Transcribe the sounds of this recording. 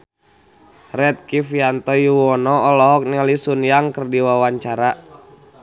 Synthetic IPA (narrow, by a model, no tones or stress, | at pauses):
rɛt̪̚kifiant̪ɔjuwɔnɔːlɔɦɔk̚nialisunjaŋkərdiwawaɲt͡ʃaɾa